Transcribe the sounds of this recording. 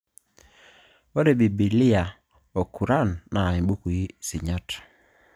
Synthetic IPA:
o˦ɾe˨bi˨bi˨lɪ˦a˨ | o˨ku˨ɾa˦˨nːa˨i˨bu˦ku˨i˦si˨ɲa˦t

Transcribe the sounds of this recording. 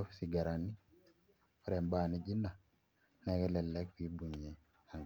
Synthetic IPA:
ɔ˦fsi˨ɡa˨ɾa˨nːi˦ | ɔ˦ɾɛ˨mbaːni˦d͡ʒi˦na˨ | nɛɡɛ˦lɛ˨lːɛ˦kwi˦bu˨ɲe˨ | a˨ŋ

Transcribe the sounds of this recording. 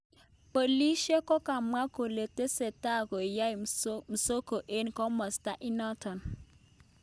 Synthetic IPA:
po˨li˦ʃe˦kɔ˦ka˨mwa˦ko˨le˨te˦se˨ta˦˨ko˨ja˦i˨m̩˨so˦ko˨ʔe˦nkɔ˦mɔ˨sta˦ʔi˦nɔ˦tɔ˨n

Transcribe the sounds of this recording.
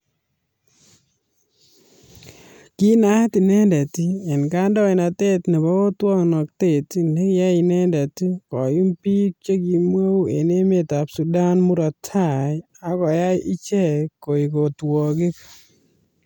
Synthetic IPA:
ki˦na˦ti˨nɛ˦ndɛ˨ti˦e˨nka˦ndɔ˦e˨na˨te˦tne˨bɔ˦o˦twɔ˦ŋnɔ˨k̚te˦˨ti˦ne˦kja˦i˨nɛ˦ndɛ˨ti˦kɔ˨ju˦mpi˦k̚t͡ʃe˦ki˨mwo˦wḛ˨ne˦me˨ta˨psu˨da˦nmu˦ɾɔ˨tʰa˦˨ | a˨˦kɔ˨ja˦jʔi˦t͡ʃɛ˦˨ko˨i˨ko˨twɔ˨kɪ˦k

